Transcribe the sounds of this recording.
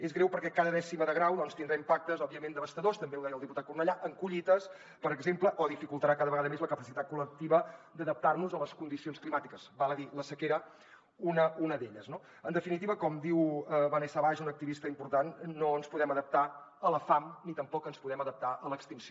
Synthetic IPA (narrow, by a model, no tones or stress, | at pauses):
ezɣɾewpəɾkɛkaðəðɛsiməðəɣɾawðɔnst̪ind̪ɾaimpak̚t̪əzɔbiəmend̪əβəst̪əðost̪əmbeuðɛjəlˠd̪iput̪at̪̚kurnəʎaʔəŋkuʎit̪əs | pəɾəɡzempləʔɔðifikulˠt̪əɾakaðəβəɣaðəmezləkəpəsit̪at̪̚kulək̚t̪iβəd̪əðəp̚t̪arnuzələskund̪isionsklimat̪ikəzbalˠəðiləsəkeɾə | unəunəðeʎəzno | ənd̪əfinit̪iβəkɔmd̪iwəβənɛsaβaʒunək̚t̪iβist̪əimpuɾt̪anːoənspuðɛməðəp̚t̪aələfamnit̪əmpɔkənspuðɛməðəp̚t̪aʔələkst̪insio